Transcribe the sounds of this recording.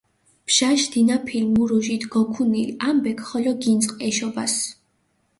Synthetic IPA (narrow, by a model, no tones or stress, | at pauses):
b̥ʃaʃd̪inapʰilmuɾɔʒit̪ʰɡɔkʰunilambɛkʰχɔlɔɡint̪sʼqʼɛʃɔbas